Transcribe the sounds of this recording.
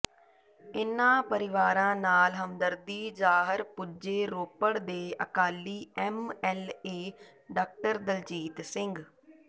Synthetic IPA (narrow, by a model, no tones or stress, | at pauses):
ɪnãːpəɾɪʋaːɾãːnaːlɦəmd̪əɾd̪iːd͡ʒaːɦəɾpʊd͡ʒeːɾoːpəɽd̪eːʔə̰kaːliːɛmɛːleː | ɖaːk̚ʈəɾd̪əlt͡ʃiːt̪sɪŋɡ